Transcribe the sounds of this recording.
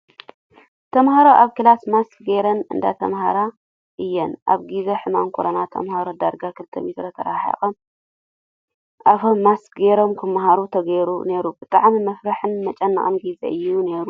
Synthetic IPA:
t̪ʰɐmhaɾoʔaβkɨlasmaskɡeɾɐnɨ̰nd̪a̰t̪ʰɐ̰mhaɾa | ʔɨjːɛnʔa̰βɡizeħɨmamkʰoɾɐnat̪ʰɐ̰mhaɾod̪aɾɡakʰɨlt̪ʰɐmet̪ɾɐt̪ʰɐɾaħa̰xʼom | ʔafomːaskɡeɾo̞mkʰɨmɦaɾut̪ʰɐɡɐɾune̞ɾubɨt̪ʼaʕmimɐfɾaħɨnmɐt͡ʃʼɐnːɐ̰χʼɐmɡizḛʔɨjːune̞ɾu

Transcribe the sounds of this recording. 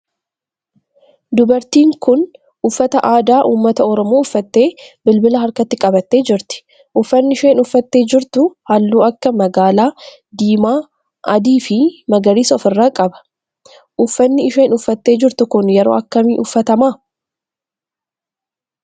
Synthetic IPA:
d̪ʊbɐɾt̪iːŋkʊn | ʔʊfːɐt̪ɐʔaːd̪aːʔuːmːɐt̪ɐɔɾɔmo̞ːʊfːɐt̪ːe̞ːbɪlbɪlɐɦɐɾkɐt̪ːɪkʼɐbɐt̪ːe̞ːd͡ʒɪɾt̪ɪ̥ | ʔʊfːɐnːɪɪʃɐːɪnʊfːɐt̪ːe̞ːd͡ʒɪɾt̪ʊhɐlːuːɐkːɐmɐɡaːlaː | d̪iːmaː | ʔɐ̰d̪iːfɪmɐɡɐɾiːsɔːfɪrːaːkʼɐbɐ̥ | ʔʊfːɐnːɪɪʃɐːɪnʊfːɐt̪ːe̞ːd͡ʒɪɾt̪ʊkʊnjɛɾo̰ːɐkːɐmiːʔʊfːɐt̪ɐmaː

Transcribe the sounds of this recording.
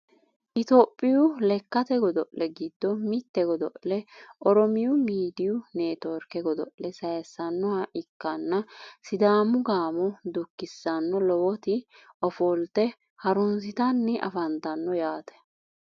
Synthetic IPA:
ʔɪt̪oːpʼːɪjʊlɛkːɐt̪ɛɡɔd̪ɔʔlɛɡɪd̪ːɔmɪt̪ːɛɡɔd̪ɔ̰ʔlɛʔɔɾɔmɪjʊmiːd̪ɪjʊneːt̪ɔːɾkɛɡɔd̪ɔ̰ʔlɛsɐjɐsːɐnːɔhɐʔɪkːɐnːɐsɪd̪aːmʊɡaːmʊd̪ʊkːɪsːɐnːɔlɔwɔt̪ɪʔɔfɔlt̪ɛ | hɐɾʊnsɪt̪ɐnːɛʔɐ̰fɐnt̪ɐnːɔjaːt̪ɛ̥

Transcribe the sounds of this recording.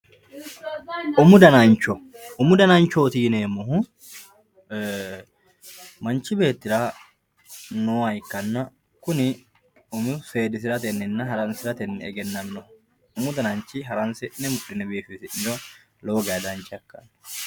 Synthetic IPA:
ʔʊmʊd̪ɐnɐnt͡ʃːɔʊmʊd̪ɐnɐnt͡ʃːoːt̪iːneːmɔɦʊ | mɐnt͡ʃːɪbe̞ːt̪ːɪɾa | noːɐjkːɐnːɐ | kʊnɪ | ɔmʊfeːd̪ɪs̬ɪɾɐt̪ɛnːɪnːɐɦɐɾɐnsɪɾɐt̪ɛnːɛɛɡɛnːɐnːɔhʊ | ʊmʊd̪ɐnɐnt͡ʃːɪɦɐɾɐnsɪʔnɛmʊᶑːɪnɛbiːfɪsɪʔɪd͡ʒɔ | lo̞ːɡɐd̪ɐnt͡ʃːɪɐkːɐn

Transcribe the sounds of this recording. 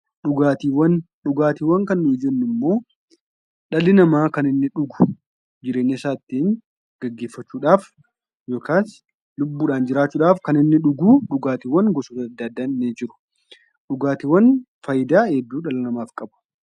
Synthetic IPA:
ᶑʊɡaːt̪iːwɐn | ᶑʊɡaːt̪iːwɐŋkɐnːʊɪd͡ʒɛnːɪmːo̞ː | ᶑɐlɪnɐmaːkɐnɪnːɪᶑʊɡʊ̥ | d͡ʒɪɾe̞ːɲːɐsaːt̪ːiːŋ | ɡ̥ɐɡːe̞ːfːɐt͡ʃːuːᶑaːf | jo̞ːkʰaːs | lʊbːuːᶑaːnd͡ʒɪɾaːt͡ʃːuːᶑaːfkɐnɪnːɪᶑʊɡuːᶑʊɡaːt̪iːwɐnɡɔsoːt̪ɐɐd̪ːad̪ːaːnːɪd͡ʒɪɾʊ̥ | ᶑʊɡaːt̪iwɐn | fɐjɪd̪aːɛd̪ːuːᶑɐlɪnɐmaːfkʼɐbʊ̥

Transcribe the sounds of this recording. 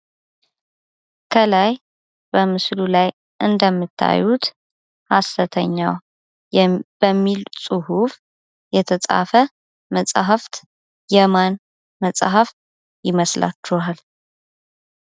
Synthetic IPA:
kʰəlaj | b̥əmɨslulaj | ʔɨnd̪əmːɨt̪ʰːa̰jːut̪ | hast̪ət̪ʰəɲːa̰w | bəmːilsʼuhuf | jɛt̪ʰəsʼa̰fə | məsʼɦaft̪ | jɛman | məsʼhaf | jɪməsla̰t͡ʃːuhal

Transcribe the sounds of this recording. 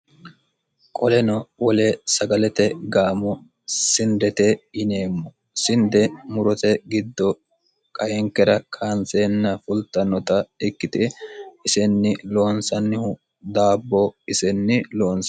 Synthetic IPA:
kʼɔlɛnɔwɔlesɐɡɐlɛt̪ɛɡaːmɔ | sɪnd̪ɛt̪ɛɪneːmːɔ | sɪnd̪ɛmʊɾɔt̪ɛɡɪd̪ːɔ | kʼɐjɛŋkːɛɾɐkʰaːnseːnːɐfʊlt̪ʼːɐnːɔt̪ɐɪkːɪt̪ɪɪsɛnːɪlo̞ːnsɐnːɪhʊ | d̪aːbːɔɪsɛnːɪloːns

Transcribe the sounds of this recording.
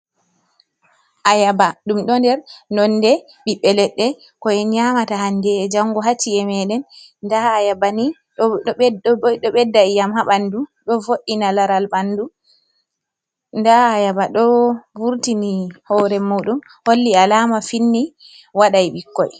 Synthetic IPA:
ʔajabaɗumɗɔndɛɾnɔndɛ | ɓiɓːɛlɛɗːɛ | kɔɛɲamatahandɛːd͡ʒaŋɡɔɦat͡ʃːiɛmɛɗɛnː | daajabani | ɗɔɓɛdːajamhaɓanduɗɔvoɗːinalaɾalɓandu | ndaajabaɗɔvuɾtinihɔːɾɛmuɗum | holːialaːmafinːi | waɗajɓikːɔ̰j

